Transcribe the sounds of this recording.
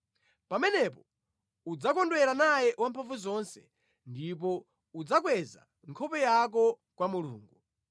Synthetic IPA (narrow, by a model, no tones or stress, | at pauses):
pamɛnɛpɔ | ud͡zakɔndwɛɾanajɛwampʰaɱvuzɔnsɛ̥ | ndip̬ɔ | ud͡zak̬wɛza̰ | ŋkʰɔpɛjak̬ɔ | kwamulṵːŋɡu